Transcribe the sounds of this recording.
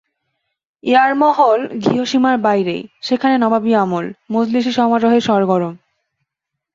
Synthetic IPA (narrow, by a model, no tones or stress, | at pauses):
eaɾmɔɦolɡʱiɦoʃimaɾbajɾḛjʃekʰanenɔbabiamolmod͡ʑliʃ̬iʃɔɦmatoɦeʃɔɾɡɔɾom